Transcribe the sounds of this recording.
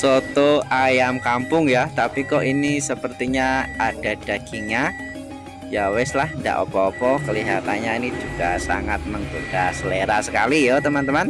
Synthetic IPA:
sot̪oajamkampʊŋjat̪apikɔʔinisəpərt̪iɲaʔad̥a̤d̥a̤ɡ̥iŋa | jawɪslahnda̰ʔo̰pɔːpɔkəliɦat̪aɲainid͡ʒuɡasa̰ŋat̪̚məŋɡudasəleɾasəkalijot̪əmant̪əman

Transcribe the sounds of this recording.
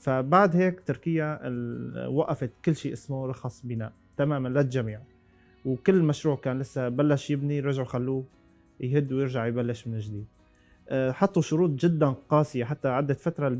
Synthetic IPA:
fabaʕd̪heːkt̪ːɪɾkɪjːaɪwaʔafɪt̪kɪlːʃiːʔɪsmʊɾˤɑxɑsˤbɪna̰ːʔ | t̪amaːmanlaʒamiːʕ | wkɪlːmaʃɾuːʕkaːnlɪsːabalːaʃjɪbniɾˤɑʒʕʊjxalːuː | jɦɪd̪ːwjɪɾʒaʕjbalːɪʃmɪnɪʒd̪iːd̪̚ | ħɑt̪ˤːuʃʊɾuːt̪ˤʒɪd̪ːanqɑːsɪjaħat̪ːaʕad̪ːafat̪ɾˤɑl

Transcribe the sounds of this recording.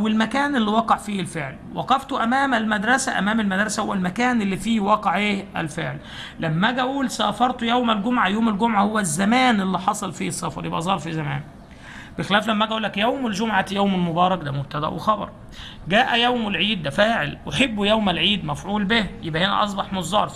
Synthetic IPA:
ʔʔwelmækæːnelːiwɑqɑʕfiːlfeʕlwɑ̰qɑft̪oʔæmæːmælmæd̪ɾˤɑsæʔæ̰mæːmælmæd̪ɾˤɑsæhowːælmækæːnʔelːifiːwɑqeʕʔeːʔæ̰lfeʕl | læmːæɡæʔuːlsæːfɑɾˤt̪ojæwmælɡomʕajoːmælɡomʕahowːæzːæmæːnʔelːiħɑsˤɑlfiːsˤːɑfɑ̰ɾjebʔæzˤɑːɾˤfizæmæ̰ːn | b̥exelæːflæmːæʔæɡæʔuːlːækjæwmeld͡ʒomʕajæwmelmobɑːɾˤɑk̚d̪æmob̚t̪æd̪æʔwexɑbɑ̰ɾˤ | ɡæːʔæjæwmelʕiːd̪ːæfæːʕelʔoħebːujæwmælʕiːd̪mæfʕuːlbehjebʔæhenæ̰ʔɑs̬ˤbɑħmozˤːɑ̰ːɾˤf

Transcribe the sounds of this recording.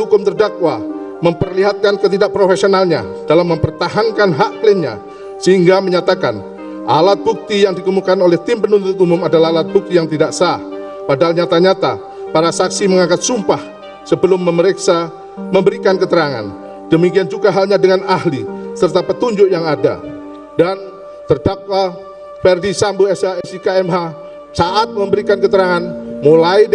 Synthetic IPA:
ɦukʊmt̪ərdakwaməmpərliɦat̪̚kankət̪̬idaʔpɾofesionalɲa̰dalamːəmpərt̪aɦaŋkanɦaʔklɪnɲa̰ | səɦiŋɡaməɲat̪akan | ʔalat̪̚buk̚t̪ijaŋdikəmukanolɛht̪ɪmpənunt̪ʊt̪umʊmadalahalat̪̚buk̚t̪ijaŋt̪idaʔsah | padaɦalɲat̪aɲat̪a | paɾasaksiməŋakat̪sumpah | səbəlʊmːəməɾeksa | məmbəɾikankət̪əɾaŋa̰n | d̥əmikiand͡ʒuɡaɦalɲadəŋanahlisərt̪apət̪uɲd͡ʒʊkjaŋada̰ | dan | t̪ərdak̚wa | fɛrdisamboɛsaɛsikaɛmɦa | saʔat̪̚məmbəɾikankət̪əɾaŋanmulai

